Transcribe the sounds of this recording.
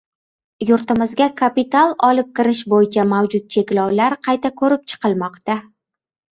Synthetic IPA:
jʊɾt̪ɪmɪzɡʲakʰapit̪alˠɒlɪp̚kʲɪɾɪʃbojɪt͡ʃʰamawd͡ʒʊt̪̚t͡ʃʰe̞kʲlawlaɾqʰɑjt̪akʰɵɾɪp̚t͡ʃʰɨ̥qʰɨlˠmɒqt̪a

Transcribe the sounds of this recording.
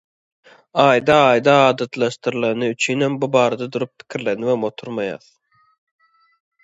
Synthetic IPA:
ɑːjd̪ɑɑːjd̪ɑɑːd̪ɑt̪lˠɑʃt̪ɯɾlˠɑnɯyt͡ʃʰynhembubɑːɾɑd̪ɑd̪uɾup̚pʰi̥kʰʲiɾle̞niwemo̞t̪ʰuɾmɑjɑ̰ːθ

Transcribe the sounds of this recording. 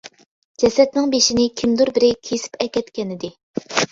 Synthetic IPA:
d͡ʒɛsɛt̪̚nɨŋbeʃinɪkʲʰimd̪uɾbɪɾɪkʲʰesɪ̥pɛkʲɛt̪kʲʰɛnɪd̪ɪ

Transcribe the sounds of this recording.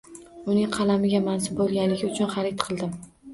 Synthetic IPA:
ʊnɪŋqʰɑlamɪɡʲamans̬ɪbbolˠɡʲanlɪɡʲɪʊt͡ʃʰʊnχɑɾɪt̪qʰɨlˠd̪ɪm

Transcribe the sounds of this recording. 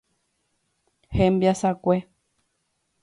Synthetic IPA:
hẽmbiasakʷe

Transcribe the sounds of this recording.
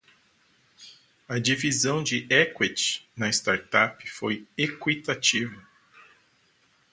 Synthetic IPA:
ɐd͡ʒivizɐ̃w̃d͡ʒɪɛkwet͡ʃɪ̥nɐɪst̪aɾt̪apɪ̥fojekwit̪at͡ʃivɐ

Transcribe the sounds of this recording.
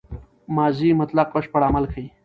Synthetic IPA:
maːziːmɐt̪laqoʂpɐɽaːmɐlkʰəi

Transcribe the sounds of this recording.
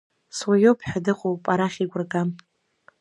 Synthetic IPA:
swajopʰħᶣadɨqʼowpʼaɾaχʲiɡʷʊrkʼam

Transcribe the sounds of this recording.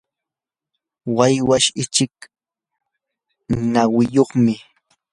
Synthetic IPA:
wajwaʃɪt͡ʃɪk | nawɪjoχmɪ

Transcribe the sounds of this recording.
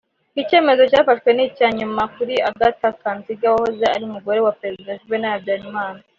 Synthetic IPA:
ice̞ːme̞zo̞caːfatwe̞nicaɲumakuɾiaɡatakanziɡawahozea̰ɾiumuɡo̞ɾe̞wapeɾezidaʃiβenaabɟaːɾimaːna

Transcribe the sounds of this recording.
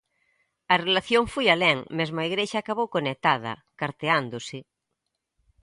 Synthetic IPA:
ɐrelaθjoŋfojaleŋmezmoaiɣɾeʃaːkaβ̞owkonek̚t̪að̞ɐ̰ | kaɾt̪eand̪osɪ

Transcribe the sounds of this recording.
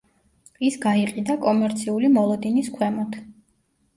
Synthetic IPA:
isɡaiqʼid̪akʼɔmɛɾt̪sʰiulimɔlˠɔd̪iniskʰwɛmɔt̪ʰ

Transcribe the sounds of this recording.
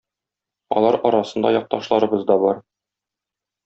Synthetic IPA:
ɒ̰lˠɑɾɒɾɑsɤ̆nd̪ɑ̰jɒq̚t̪ɑʃlˠɑɾɤ̆bɤzd̪ɒbɒɾ

